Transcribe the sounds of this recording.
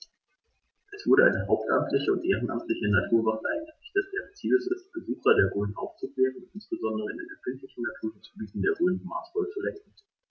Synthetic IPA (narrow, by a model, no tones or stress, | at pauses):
ʔɛsv̥ʊɐɾəʔa̰ɪnəɦaʊp̚tʔa̰mtʰlɪçəʊ̰ntʔeːʁ̞ənʔa̰mtlɪçənatʰuːɐvaŋtʔaɪnɡəʁɪçtd̥asd̥eːʁt͡siːləsɪst̚b̥əzuːxɐdeːɐʁøːənʔa̰ʊft͡suklɛːʁənʊntɪnsb̥əzɔndəʁəɪndenɛfɪntlɪçn̩natʰuːɐdisbyːtn̩deːɐʁøːnənma̰ːsfɔlət͡sulɛŋk̚ŋ̩